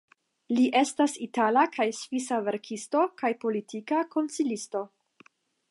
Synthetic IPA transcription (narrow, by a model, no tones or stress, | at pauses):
liʔe̞stasitalakʰajsvisave̞ɾkʰisto̞kajpo̞litʰikako̞nt͡silisto̞